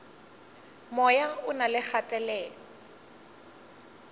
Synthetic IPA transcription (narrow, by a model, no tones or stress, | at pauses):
mɔjaʊnalɪk͡xatʼɛlɛːlɔ